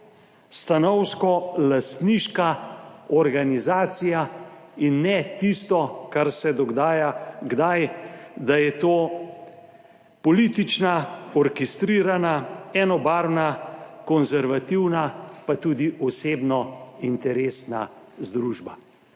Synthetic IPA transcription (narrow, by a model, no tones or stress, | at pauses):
st̪anɔwskɔlast̪niʃkaɔɾɡanizaːt̪sija | inːɛt̪ist̪ɔkaɾsɛd̪ɔɡd̪aːjaɡd̪ajd̪ajɛt̪oː | pɔlit̪it͡ʃnaɔɾkest̪ɾiːɾanaɛːnɔbaːɾnakɔnzɛɾʋat̪iwnapat̪ud̪iʔɔseːbnɔint̪ɛɾeːsna̰ | zd̪ɾuʒba